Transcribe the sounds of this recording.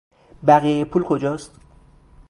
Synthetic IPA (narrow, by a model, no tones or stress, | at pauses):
bæɣijejepʰuːlkʰo̞d͡ʒɒːst̪